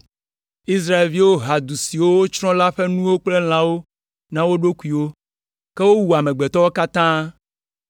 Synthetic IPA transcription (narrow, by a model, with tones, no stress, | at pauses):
i˦sɾa˦e˨lvi˦wo˦ɦa˨d̪u˨si˨wo˦wo˦t͡ʃɾɔ̃˦la˦ɸe˦nũ˦wo˦k͡ple˦l̃ã˦wo˦ | nã˦wo˦ɖo˦ku˦i˨wo˦ | ke˦wo˦wu˨a˨mẽ˨ɡ͡be˨t̪ɔ˦wo˦ka˦t̪ã˦